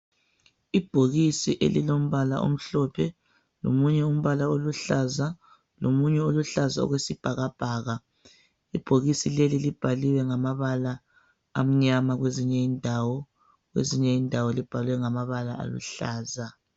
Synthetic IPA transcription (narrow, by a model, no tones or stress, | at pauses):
ib̥ʱoɣisiʔḛlilom̩βala̰ʔo̰m̩ɬɔpʰɛ | lo̰muɲɛum̩βalaoluɬaza | lomuɲɛoluɬaza̰ɔ̰ɣwesib̥ʱaɣab̥ʱaːɣa | ib̥ʱoɣisilelilib̥ʱaliwɛŋamaβalaː | m̩ɲamaɣweziɲɛindʱawɔ | ɣwḛziɲɛindʱawɔlib̥ʱalwɛŋamaβalaa̰lṵɬaːza